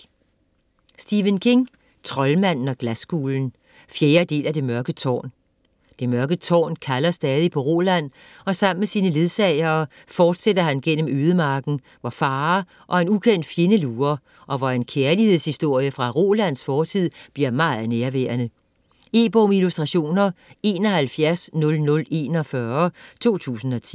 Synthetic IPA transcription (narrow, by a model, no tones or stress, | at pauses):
sd̥iʋənkʰe̝ŋ | t͡sʰʁɒ̽lmæn̰n̩ɒ̽ɡ̥læsɡ̥ṵːln̩ | fjeːɐd̥e̝̰ːlæd̥e̝mɶɐɡ̥ət͡sʰɒ̰ːn | d̥e̝mɶɐɡ̥ət͡sʰɒ̰ːnkʰælɐsd̥ɛːð̞ˠipʰɒ̽ʁo̝ːlæn̰ | ɒ̽sɑ̈m̰n̩mesiːnəle̝ð̞ˠsɛɪɐː | fɒːd̥sedɐhænɡ̥en̰əm̩øːð̞ˠəmɑ̈ːɡ̥n̩ | ʋɒfɑ̈ː | ʔɒ̽e̝nukʰen̰d̥fjenəluːɐ | ʔɒ̽ʋɑe̝nkʰeɐlihe̝ð̞̰ˠshisd̥o̝ɐ̰jəfʁɑ̈ʁo̝læn̰sfɒːt͡sʰið̰ˠb̥liɐmɑ̈ːð̩ˠneɐʋæ̰ːɐnə | e̝ːb̥ɔmilusd̥ʁɑ̈ɕo̝̰ːnɐe̝ːnɒ̽hælfjæɐsnɔ̽lnɔ̽le̝ːnɒfɶɐt͡sʰo̝̰ːt͡sʰṵːsn̩ɒ̽t͡sʰḭ